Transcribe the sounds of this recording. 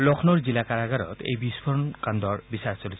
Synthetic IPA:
lɔkʰnɔɹzilakaɾaɡaɾɔ̰t̪ḛjbispʰɔɹɔnkand̪ɔɹbisaɹsolit̪ʰ

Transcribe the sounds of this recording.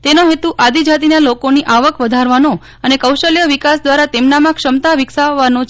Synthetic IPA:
t̪enoɦet̪uʔad̪id͡ʒat̪inalokoniʔaʋəkʋəd̪ʱaɾʋano | ənekəwʃəljəʋikasd̪ʋaɾat̪emnamãkʃəmt̪aʋɪksaʋːanõt͡ʃ

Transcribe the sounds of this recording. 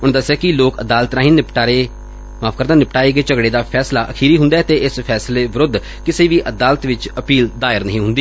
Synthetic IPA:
ʊɽ̃d̪əsɛːkɪloːkəd̪aːlət̪ɾaːɦĩːnɪpʈːɾe | maːpʰkəɾd̪aːnɪpʈaːiːɡeːt͡ʃəɡɽeːd̪aːpʰɛːslaːʔəkʰiːɾiːɦʊ̃nd̪aːɛt̪eːʔɪspʰɛːsleːʋɪɾʊd̪ | kɪseːʋiːʔəd̪aːlət̪ʋɪt͡ʃəpiːld̪aːɪɾnə̰ɦĩːɦʊ̃nd̪iː

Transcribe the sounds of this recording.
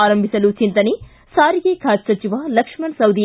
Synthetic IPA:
aːɾɐmbʱisɐlut͡ʃint̪ɐni | saːɾiɡeːkʰaːd͡ʒsɐt͡ʃiʋaːlɐkʂmɐnsɐwd̪i

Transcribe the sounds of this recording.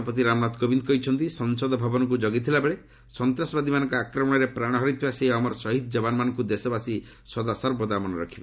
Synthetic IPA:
ɔpɔt̪̬iɾamnat̪kobind̪kɔit͡ʃʰɔnt̪isɔnsɔd̪ɔbʱabɔnɔk̬ud͡ʒɔɡit̪ʰilabeɭe | sɔnt̪ɾɔsɔbad̪imanɔ̃ŋkɔakɾɔmɔɽ̃ɔɾepɾaɽ̃ɦɔɾit̪ʰibaseɦiɔmɔɾɔsɔɦid̪ɔd͡ʒɔbanɔmanɔŋkud̪esɔbasi | sɔd̪asɔɾbʱɔd̪amɔnɔɾɔkʰibe

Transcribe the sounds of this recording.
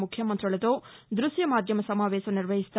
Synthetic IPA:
mukʰjɐmɐnt̪ɾɐɭɐt̪oːd̪ɾuʃjɐmaːd̪ʱjɐmɐsɐmaːʋeːʃɐniɾʋɐɦist̪a

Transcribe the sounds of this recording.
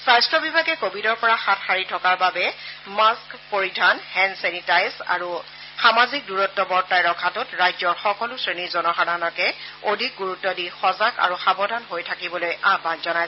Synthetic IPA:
sajstɹɔbibʱaɡɛkobʱidɔɹpɔɹaxatxaɹitʰɔkaɹbabɛmaskpoɹidʱanhɛnsɛnitajsa̰ɹu | xamazik̚duɹɔtːɔbɔɹtajɹɔkʰːatɔtɹajzɔɹxɔkɔlʊsɹenizɔnɔxananɔkɛodʱik̚ɡuɹutːɔdixɔzaka̰ɹuxabɔdʱanɦojtʰakibɔlojabanzɔnaj

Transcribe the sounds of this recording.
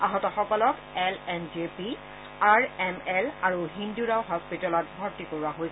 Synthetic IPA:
aɦɔtɔxɔkɔlɔkɛlɛnd͡ʒepi | aɹɛmɛlaɹuɦinduɹawxɔk̚pitɔlɔt̚bʱɔɹtikoɹuwaɦoj

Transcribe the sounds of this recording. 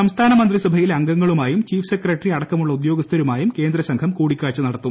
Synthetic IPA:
sɐmst̪ʰaːnɐmɐnd̪risɐbʱɐjilɐŋɡɐŋːɐɭumaːjumt͡ɕiːfsekːrɐʈriɐɽɐkːɐmuɭːɐud̪jo̞ːɡɐst̪ʰɐɾumaːjumke̞ːnd̪ɾɐsɐŋkʰɐmkuːɽikʲːaːɭt͡ɕːɐnɐɽɐt̪ːum

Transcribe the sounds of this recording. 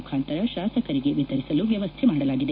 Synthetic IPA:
ukʰaːnt̪ɐɾɐʃaːsɐkɐɾiɡe̞ʋit̪ɐɾisɐluʋjɐʋɐst̪ʰemaːɽɐlaːɡid̪e

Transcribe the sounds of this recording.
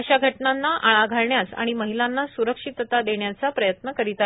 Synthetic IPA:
əɕaɡʱəʈnanːaʔaɭaɡʱaɭɳjasa̰ɽ̃iməɦilanːasuɾəkʂit̪ət̪ad̪eɳjat͡sapɾəjət̪nəkəɾit̪a

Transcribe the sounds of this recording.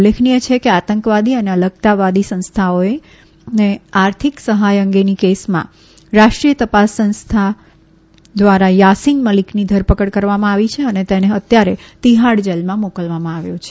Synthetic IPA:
lekʰnijət͡ʃʰekeat̪əŋkʋad̪iəneələk̚t̪aʋad̪isə̃nst̪ʰaoe | neaɾt̪ʰiksəɦajəŋɡenikesmã̰ | ɾaʃʈɾijət̪əpasːə̃nst̪ʰa | d̪ʋaɾajasinməliknid̪ʱəɾpəkəɽkəɾʋamãaʋit͡ʃʰeənet̪eneət̪jaɾet̪iɦaɽd͡ʒəlmãmokəlʋamãaʋjõt͡ʃʰe̥

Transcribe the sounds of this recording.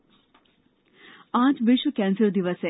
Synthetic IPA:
ãːt͡ʃʋɪʃʋəkɛ̃nsəɾd̪iʋəse

